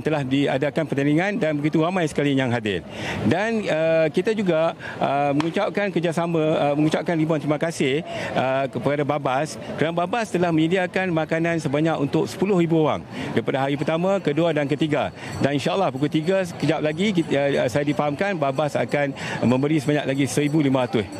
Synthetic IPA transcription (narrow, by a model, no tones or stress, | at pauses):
nt̪əlahdia̰dakanpərt̪aniŋãndanbəɡit̪uɾamãjsə̥kalijaŋɦadɪ̰rdanəkit̪ad͡ʒuɡaəməŋut͡ʃap̚kankərd͡ʒaʔsamãməŋũt͡ʃap̚kanribuant̪ɾimakasɪhəəpəadababas | kəɾanababast̪əlahməɲədiakanmakanãnsəbaɲakṵnt̪ʊk̚sə̥pulʊhribuowa̰ŋdaipadaɦaɾip̬ərt̪amãkəduadank̬ət̪iɡa | daninʃaəlːahpukult̪iɡakəd͡ʒap̚laɡisajadifaɦamkanbabasa̰kanmə̃mbəɾisəbaɲaʔ̚laɡisəɾibulimaɾat̪ʊ